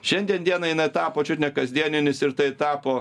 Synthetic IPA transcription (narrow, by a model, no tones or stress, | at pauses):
ʃʲɛnʲd̪ʲiɛnd̪ʲiɛnɐjɪnɐɪt̪ɑːpoːt͡ʃʲʊt̪ʲnʲɛkɐzʲd̪ʲiɛnʲɪnʲɪsɪɾt̪ɐɪt̪ɑːpoː